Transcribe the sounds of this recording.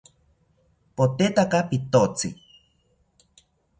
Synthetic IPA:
pot̪et̪akapit̪ot͡sḭ

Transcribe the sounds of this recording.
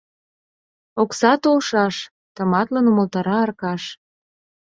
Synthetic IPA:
oksɑt̪olʃɑʃ | t̪ə̆mɑt̪lənuməlt̪ɑɾɑərkɑʃ

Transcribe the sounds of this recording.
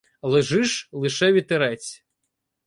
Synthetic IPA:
lˠeʒɪʃlˠɪʃɛʋʲit̪eɾɛt͡sʲ

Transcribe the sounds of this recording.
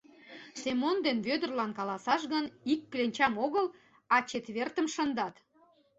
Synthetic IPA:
semond̪enβød̪ərlɑnkɑlɑsɑʃɣənikːlenʲt͡ɕɑmoɣəl | ɑt͡ɕet̪βert̪əmʃənd̪ɑt̪

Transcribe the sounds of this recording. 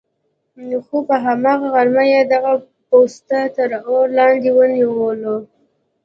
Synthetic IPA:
nxupəɦamɑɣaɣaɾmajed̪aɣa | post̪at̪əɾoɾlɑnd̪ewəniwəlo

